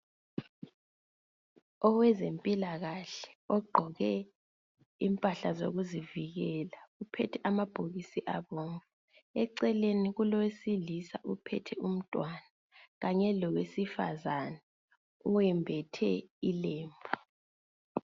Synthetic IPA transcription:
ɔwɛzempʼilaɣaɬɛ̥ɔɡ͡ǃʱɔɣɛ | impʼaɬazo̰ɣuziviɣɛlaupʰɛtʰɛʔamab̥ʱoɣisiʔaβɔːŋkʼɛ | ɛǀɛleniɣulɔwesilisaʔupʰɛ̰tʰɛum̩tʼwana | ɣaɲɛlɔwesifa̰zana | uwɛmbʱɛtʰɛileːmbʱu

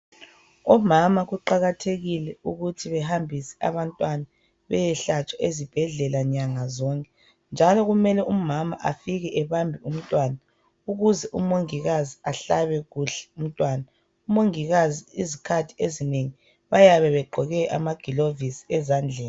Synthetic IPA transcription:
ɔmamaɣuǃaɣatʰeɣilɛuɣutʰiβɛɦambʱisɛ̥ʔa̰βantʼwana | βɛ̰jɛɬat͡ʃʼaʔezib̥ʱɛɮɛlaɲaŋazɔŋkʼɛ | nd͡ʒʱalɔɣumɛlɛʔumamaʔafiɣɛʔɛβambʱium̩tʼwaːna | uɣuzɛʔumoŋiɣaziaɬaβɛɣuɬɛ̥um̩tʼwaːna | umoŋiɣaziizikʰatʰi̥ezineŋi | βajaβɛβɛɡ͡ǃʱɔɣɛʔa̰maɡ̥ʱilovisi̥ɛzand͡ɮʱɛːni

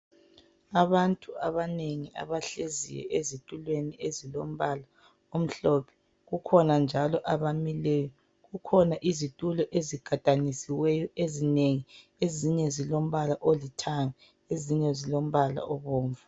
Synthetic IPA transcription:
aβantʼuaβaneŋia̰βaɬezḭjɛ̰ʔezitʼulweniezilom̩βala | om̩ɬɔːpʰɛ̥ | ɣukʰɔnand͡ʒʱalɔʔaβamilɛːjɔ | ɣukʰɔnaʔizitʼulɔʔeziɡ̥ʱatʼanisiwɛjɔezineŋi | eziɲɛzilom̩βalaʔolitʰaŋa | eziɲɛzilom̩βala̰ɔβoːɱvu

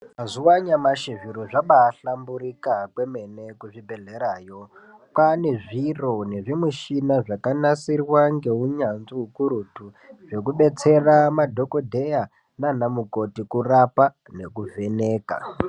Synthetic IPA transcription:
mazuwaɲamaʃiʐiɾoʐaɓaːɬambuɾikakwe̞me̞ne̞kuʐibʱe̞ɮe̞ɾaːjo̞ | pane̞ʐiro̞ne̞ʐimuʃinaʐakanasirwaŋɡe̞uɲanziukuɾutu | ʐe̞kuɓe̞t͡se̞ramadʱo̞ko̞dʱe̞ja | nanamuko̞tikurapa | ne̞kuve̞neːka̰

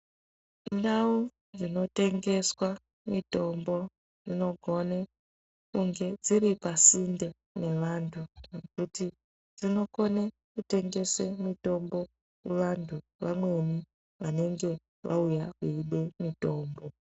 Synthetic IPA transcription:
ndau | d͡zino̞te̞ŋɡe̞swa | mito̞mbo̞ | d͡zino̞ɡʱo̞ne | kuŋɡe̞d͡ziɾipasinde | ne̞ʋaːntʰunekuti | d͡zino̞ko̞ne | kute̞ŋɡe̞semito̞mbo̞ | kuʋantʰu | ʋamwe̞ni | ʋane̞ŋɡe̞ | ʋa̰ujakuiɗe̞mito̞ːmbo̞

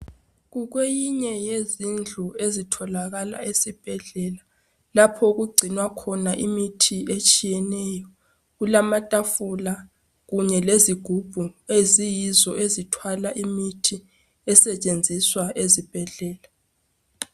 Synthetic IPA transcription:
ɣuɣwejiɲɛjezind͡ɮʱuezitʰɔlaɣala̰esib̥ʱɛɮɛla | lapʰɔuɣuɡ͡ǀʱinwakʰɔnaʔimitʰiʔet͡ʃʼijɛnɛːjɔ | ɣulamatʼafula | ɣuɲɛleziɡ̥ʱub̥ʱuezijizɔʔezitʰwalaʔimitʰi | ɛsɛt͡ʃʼend͡zʱiswaʔezib̥ʱɛɮɛːla

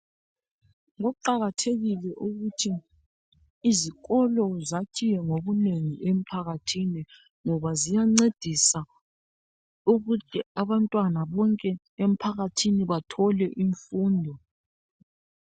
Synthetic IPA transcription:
ŋɔǃaɣatʰeɣilɛʔuɣutʰi | ziɣɔlɔzacʰijɛŋoβuneŋiʔem̩pʰaɣatʰini | ŋɔβazijaŋ͡ǀed̥ʱisa | uɣutɛaβantʼwanaβɔŋkʼɛ | em̩pʰaɣatʰiniβatʰɔlɛʔiɱfuːndʱɔ

